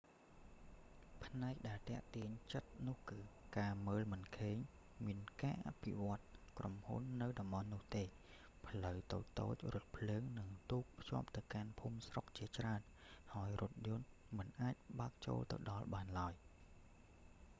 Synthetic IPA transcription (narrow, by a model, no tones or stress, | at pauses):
pʰnaɛk̚ɗaɛlt̪ɛ̆əʔt̪iəɲt͡ɕət̪̚nʊ̆əhkɨːkaːməːlmɨnkʰeːɲ | miənkaːʔapʰḭʋŏət̪̚kromhṵnːɨwɗɑmɓɑnːʊ̆əht̪eː | pʰləwt̪o̰ːc̚t̪o̰ːc̚rʊ̆ət̪̚pʰləːŋnɨŋt̪uːk̚pʰjŏəp̚t̪ɨwkanpʰuːmsrok̚t͡ɕiət͡ɕraənhaəjrʊ̆ət̪̚jʊ̆ən | mɨnʔaːc̚ɓaək̚t͡ɕo̰ːlt̪ɨ̰wɗɑlɓaːnlaəj